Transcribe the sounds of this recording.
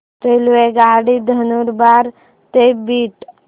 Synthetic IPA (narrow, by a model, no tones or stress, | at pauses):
t̪elʋeɡaːɽid̪ʱənuɾbaːɾ | t̪ebiːʈ